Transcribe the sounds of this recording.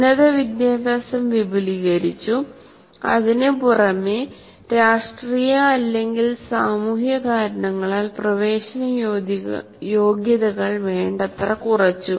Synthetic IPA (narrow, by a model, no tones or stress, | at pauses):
nɐðɐʋid̪jaːbaːsɐmʋibʱiliɣɐɾit͡ɕːu | ɐ̰ðinepurɐme | ɾaːʂʈriːjaːlːe̞ŋɡilsaːmuːhjɐkaːɾɐɳɐŋːɐɭaːlprɐʋe̞ːɕɐnɐj | jo̞ːɡjɐðɐɣɐɭʋeːɳɖɐt̪rɐkurɐt͡ɕːu